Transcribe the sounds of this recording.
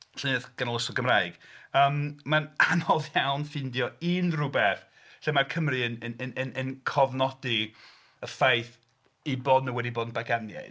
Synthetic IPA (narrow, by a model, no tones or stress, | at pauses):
ɬɪnɪðɡ̥anɔlˠəsʊɡəmraːɨɡ̥əːmmananɔðjawnfɪndjɔinrʊbɛθ | ɬemarkʰəmriənənənənənkʰɔvnɔdi | əfajθ | ibɔːdnəwɛdiboːdnbaɡanja̰